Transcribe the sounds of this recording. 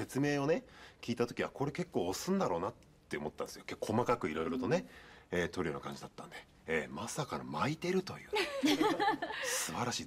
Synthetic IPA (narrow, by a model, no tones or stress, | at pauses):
e̞t͡sɨme̞ːo̞ne̞kʲiːt̪at̪o̞kʲiako̞ɾe̞ke̞kːo̞ːosɨ̃nd̪aɾo̞ːnat̪ːe̞o̞mo̞t̪ːãnd̪esɨjokekːʰo̞makakɯ̟iɾo̞iɾo̞t̪o̞ne̞eːt̪o̞ɾ̟ʲonakã̰ɲ̟d͡ʑid̪at̪ːãnd̪e̞̥ | eːmasakanamait̪e̞ɾɯ̟t̪o̞jɯ̟ː | sɨbaɾaɕiː